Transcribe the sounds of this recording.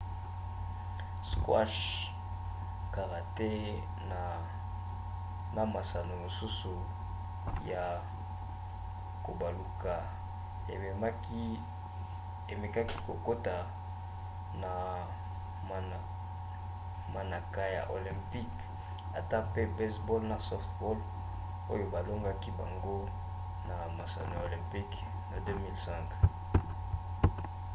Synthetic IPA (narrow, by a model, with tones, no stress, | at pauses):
skwa̰˦ʃ | ka˨ʁa˨te˦ | na˨ | ma˦ma˨sa˨no˨mo˨su˦su˨ | ja˨ | ko˨ba˨lu˨ka˨ | ḛ˨e˨m˦k | e˨me˨ka˦ki˦ko˨ko˦ta˨ | na˨ | ma˨na˨ka˦ja̰˨ʔo˨lɛ̃˨mpi˦k | a˨ta˦pe˦bɛ˦sbo˦lna˨sɔ˦ftbo˦l | o˦jo˦ba˨lo˦ŋɡa˦ki˦ba˨ŋɡo˦ | na˨ma˨sa̰˨no˦a˨o˨lɛ̃˨mpi˦k | na˨dø˦mi˦lsɛ̃˦ŋk